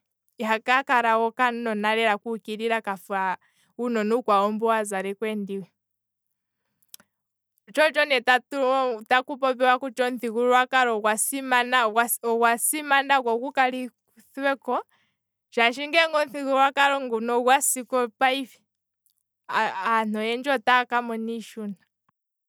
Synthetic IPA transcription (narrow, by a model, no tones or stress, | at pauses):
iɦakakaɾawɔkannɔnaɾɛɾakukiɾiɾakafua | unɔnukwaɔmbɔwazaɾɛkwɛndiwɛ | t͡ʃɔt͡ʃɔnɛtattakupɔpɛwakut͡ʃɔnθikuɾwakaɾɔwasimanaaɔkwasimanakwɔkukali | θwɛkɔ | t͡ʃaʃiŋɡɛŋɡɔnθikuɾwakaɾɔŋɡunɔɡwasikɔpaifi̥ | n̥ɔjɛnd͡ʒɔtakamɔniʃuna